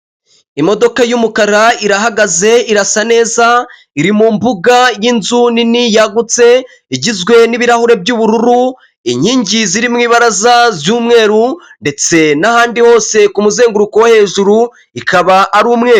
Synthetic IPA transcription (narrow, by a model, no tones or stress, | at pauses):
imo̞do̞kajumukaɾaiɾaɦaɡaze̞iɾasane̞ːza | iɾimuːmbuɡajinzuninijaɡut͡se̞ | iɟizɡwe̞niβiɾahuɾe̞bjuːβuɾuɾu | iɲiːɲɟiziɾimŋiːβaɾazazjuːmŋe̞ːɾunde̞t͡se̞nahaːndiho̞ːse̞kumuze̞ːŋɡuɾukowehe̞ːʒuɾu | ikaβaʔaɾuːmŋe̞ːɾu